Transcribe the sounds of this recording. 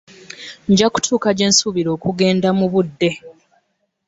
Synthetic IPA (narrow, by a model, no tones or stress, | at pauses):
ɲɟaku̥tʰuːkaɟe̞ːnsuβiɾo̞ːkuɡe̞ːndamuβudːe̞